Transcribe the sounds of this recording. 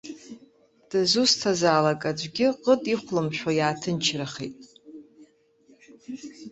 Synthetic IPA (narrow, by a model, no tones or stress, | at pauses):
d̥azustʰazaːlakʼad͡ʒʷɡʲɪqʼətʼiχʷlɨmʃᶣʷajaːtʰɨnt͡ʃʰraχḛjtʼ